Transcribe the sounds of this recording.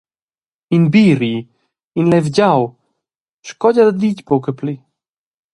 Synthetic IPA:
inbiɾi | inlɛvɟaw | ʃkɔɟad̪ad̪icbokəpli

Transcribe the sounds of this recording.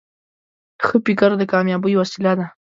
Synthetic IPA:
xəpɪkaɾd̪əkɑmjɑbəjwasilad̪a

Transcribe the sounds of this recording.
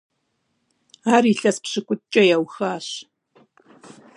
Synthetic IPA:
aːriːɬɐspɕɨkʷʼʊt͡ʃʼɐjɛwxaːɕ

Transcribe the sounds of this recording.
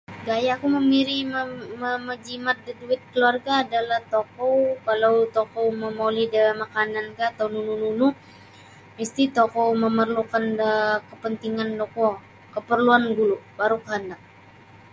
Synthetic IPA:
ɡajakuməmiɾiməməməd͡ʒimat̪̚dəduɪt̪̚kəluarɡaːdalaht̪okɔwkalawt̪okowməmolidəmakanankat̪awnunununu | mist̪it̪okowməmərlukanəkəpənt̪iŋandokɔ | kəpərluanɡulubaɾukəɦəndak̚

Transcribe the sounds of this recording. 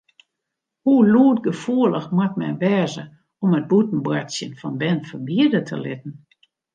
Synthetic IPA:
huluətɡəfuələxmwat̚mɛ̰ʋɛːzə | ɔmət̚butn̩bwatsjənfɔnbɛnfəbiədətʰə̰lɪtn̩

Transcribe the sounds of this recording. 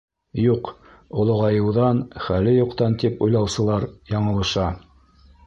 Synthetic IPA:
juq | ŏlˠŏʁɑjɤ̆wðɑnχælɘjuqt̪ɑnt̪ipujlˠɑwsɤ̆lˠɑɾjɑɴɤ̆lˠɤ̆ʃɑ

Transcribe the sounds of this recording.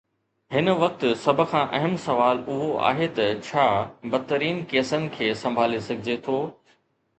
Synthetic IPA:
hɪnʋɐk̚t̪sɐbʱʊ̆kʰãːʔɐɦəmsɐʋaːlʊɦoa̰ːɦet̪ɐt͡ɕʰaːbɐt̪ːəɾiːnkeːsənɪ̆kʰeːsɐ̃mbʱaːlesɐɡʱɪd͡ʑet̪ʰoː

